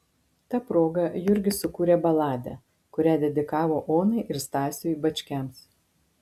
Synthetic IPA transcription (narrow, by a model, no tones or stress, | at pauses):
t̪ɑːpɾoːɡɐjʊɾʲɡʲɪsʊkuːɾʲeːbɐlˠɑːd̪ʲɛ̰ | kʊɾʲæːd̪ʲɛd̪ʲɪkɑːʋoːʔoːnɐɪʔɪɾst̪ɑːsʲojibɐt͡ʃʲkʲæms